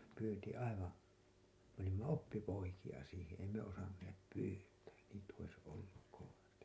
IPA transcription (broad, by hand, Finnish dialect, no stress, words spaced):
pyːnti ɑiʋɑ̃ː me olimːɑ opːipoikijɑ siːhẽː ei me osɑnːeːp pyːtæː niːt ois olːuk koʋɑsti